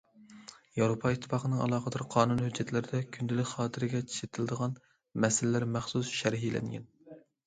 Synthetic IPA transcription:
jɑwɾopʰɑit̪ʰːɨ̥fɑːqənɨŋɑ̰lˠɑːqəd̪ɑɾqʰɑːnunhød͡ʒːɛt̪ʰlɪɾɪd̪ɛkʲʰynd̪ɪlɪkʲχɑːt̪ʰɪɾɪɡʲɛt͡ʃʰi̥ʃet̪ʰɪlɨd̪əʁɑn | mɛsɪlɪlæɾmæχsusʃæɾɦilɛ̰ŋɡʲɛ̰n

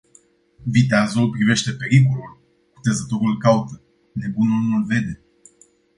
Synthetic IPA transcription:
vit̪̬eazopɾive̞ʃt̪e̞pe̞ɾik̬ulul | ku̥t̪e̞zət̪o̞ɾulkaut̪ə | ne̞bunulnulve̞d̪e̞

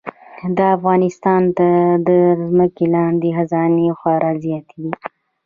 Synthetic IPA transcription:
d̪əafɣɑnɪst̪ɑnt̪ad̪əzməkelɑnd̪exazɑnexɑɾɑzijat̪d̪i

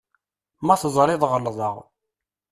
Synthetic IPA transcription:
mæθəzˤɾˤɪðˤʁəlðˤɑʁ

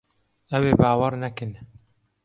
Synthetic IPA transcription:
ɛweːbaːwɐɾnɐkɨn

